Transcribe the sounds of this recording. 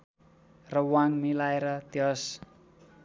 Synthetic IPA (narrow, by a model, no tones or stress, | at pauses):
rəwaŋmilajɾat̪jɔs